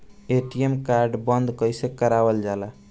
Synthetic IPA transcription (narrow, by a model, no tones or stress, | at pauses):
eʈiemkaɾɖbənd̪kəjsẽkəɾabəld͡ʒala